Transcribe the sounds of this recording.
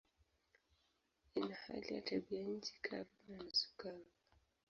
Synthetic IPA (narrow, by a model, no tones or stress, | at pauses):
inaha̰lija̰tʰabiaɲ̩t͡ʃi̥kʰaɾanasu̥kaŋa